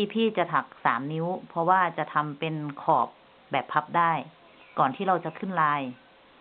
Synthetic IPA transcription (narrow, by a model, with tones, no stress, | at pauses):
iː˧pʰiː˥˩t͡ɕa˨˩t̪ʰa˨˩k̚saː˩˦mni˧˦˥wpʰɔ˧waː˥˩t͡ɕa˨˩t̪ʰa˧mpe˧nkʰɔː˨˩p̚ | bɛː˨˩pʰːa˧˦˥p̚daː˥˩j | kɔː˨˩nt̪ʰiː˥˩ɾa˧wt͡ɕa˨˩kʰɯ˥˩˨nlaː˧j